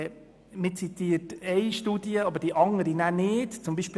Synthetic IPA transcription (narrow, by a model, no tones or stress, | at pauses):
mɪt͡sit̪iːətɛɪʃtuːdiəɑbəɾd̥iʔɑŋəɾinænɪːtt͡sʊmbiːʃpː